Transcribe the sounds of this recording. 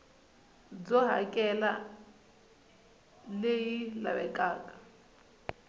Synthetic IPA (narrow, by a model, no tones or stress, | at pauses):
d͡zɔɦakʼɛla | lejila̰βɛkʼaːkʼḁ